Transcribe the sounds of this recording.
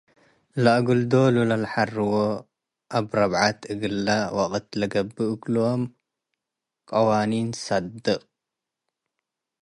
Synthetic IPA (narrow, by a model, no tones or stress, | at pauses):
laʔɡuld̪olulalħarɨwo | ʔaβɾɐβʕat̪ɨɡɨlːawaqʼt̪lɐɡɐbːɨɨkluom | kʼɐwaninsad̪ɨχʼ